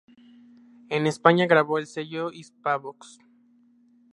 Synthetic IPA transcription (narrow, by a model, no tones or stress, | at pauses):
ene̞spaɲaɣɾaβo̞else̞ʝoispaβoks